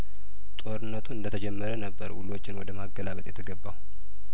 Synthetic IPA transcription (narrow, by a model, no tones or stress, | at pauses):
t̪ʼo̞ɾɨnːət̪ʰuɨnd̪ət̪ʰəd͡ʒɛmːəɾənəbːəɾwṵlo̞t͡ʃːɪnwɔd̪əmaɡːəlaβət̪ʼjɛt̪ʰəɡəbːaw